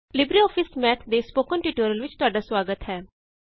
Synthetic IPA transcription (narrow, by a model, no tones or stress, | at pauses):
lɪbɾiːɔːpʰɪsmɛːt̪ʰd̪eːspoːkənʈiːʈoːɾəlʋɪt͡ʃt̪ʊaːɖaːsʋaːɡət̪ɦɛː